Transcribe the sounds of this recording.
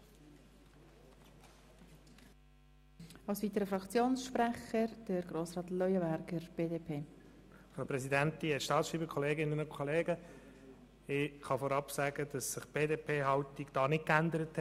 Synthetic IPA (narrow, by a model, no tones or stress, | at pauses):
ɑlsʋiːtəɾəfɾɑkt͡sjoːnsʃpɾɛχəɾd̥əɾɡɾoːsrɑːtlɔʏəbæɾɡ̥əɾb̥eːdeːpʰeːfɾaʊpɾɛsidæntiɛʃtɑːtsʃʁiːbəkʰɔleːɡɪnənokʰɔleːɡə | ɪχɑfɔːɾɑpsæːɡəd̥ɑsːɪχb̥eːdeːpʰeːɦɑwtiɡd̥ɑːnɪt̚kændəɾəthɛ